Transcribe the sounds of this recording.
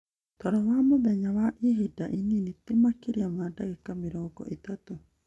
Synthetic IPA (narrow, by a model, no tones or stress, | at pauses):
t̪oɾɔβamodeɲawaʔiɦidaʔininit̪imakiɾiamadaɡikamiɾoko̰ʔit̪at̪u